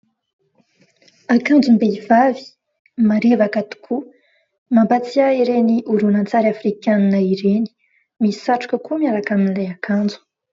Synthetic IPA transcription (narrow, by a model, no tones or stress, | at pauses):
akand͡zumbeivavi̥ | maɾivakat̪u̥kʰu | mambat͡siaiɾeniʔuɾunant͡saɾafrikananəiɾeni̥ | misaʈ͡ʂu̥kəkumiaɾakaminilajakʰand͡zu̥